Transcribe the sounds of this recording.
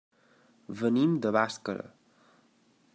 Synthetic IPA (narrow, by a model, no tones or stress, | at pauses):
βənimd̪əβaskəɾə̰